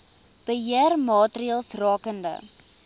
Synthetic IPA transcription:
b̥əɦiərmɑːtriəlˠsrɑːkəndə̰

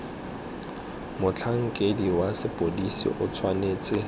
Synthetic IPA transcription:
mʊt͡ɬʰaŋ̩kʼediwasɪpʼodisḭʔʊt͡sʰwaneːt͡sʼɪ

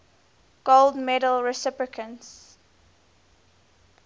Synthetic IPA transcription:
ɡ̥olˠdmɛdəlˠɹɛsɪpɹɪkʰə̃ns

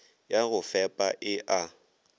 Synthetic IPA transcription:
jaɣʊfɛpʼaʔɪʔa

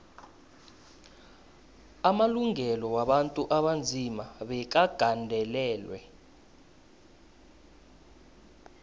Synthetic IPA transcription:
amaluŋɛlɔwaɓantʼuʔaɓand͡zʱimaɓɛk̬aɡ̥ʱandʱɛlɛːlwɛ̰

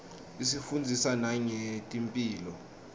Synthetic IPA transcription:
isifund͡zʱisanaɲɛtʼimpʼiːlɔ

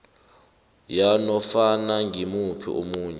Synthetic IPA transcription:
janɔfanaŋɡʱimupʰḭʔṵmuːɲɛ

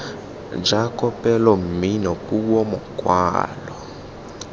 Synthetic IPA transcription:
d͡ʒakɔpɛlɔm̩minɔkuwɔmɔkwa̰ːlɔ

